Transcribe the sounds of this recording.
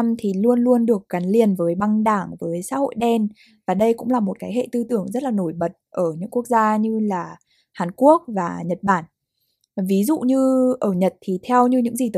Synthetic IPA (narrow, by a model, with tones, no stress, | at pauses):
mt̪ʰi˨˩lu˧ənlu˧ənɗɨ˨˩ək̚ɣa˨˦nli˨˩ənvəː˨˦jɓa˧ŋɗaː˧˩ŋvəː˨˦jsa̰ː˧˥ho̰˧˨jɗɛ˧n | vaː˨˩ɗə˧jkʊ̰˧˥ŋ͡mlaː˨˩mo˨˩t̚kaː˨˦jɦḛ˧˨t̪ɨ˧t̪ɨ˧˩əŋzə˦˥t̚laː˨˩no˧˩jɓə˨˩t̚ʔəː˧˩ɲɨ̰˧˥ŋku˦˥ək̚zaː˧ɲɨ˧laː˨˩ | haː˨˩nku˦˥ək̚vaː˨˩ɲə˨˩t̚ɓaː˧˩n | vi˨˦zṵ˧˨ɲɨ˧ʔəː˧˩ɲə˨˩t̚t̪ʰi˨˩t̪ʰɛ˧wɲɨ˧ɲɨ̰˧˥ŋzi˨˩t̪ə˨˦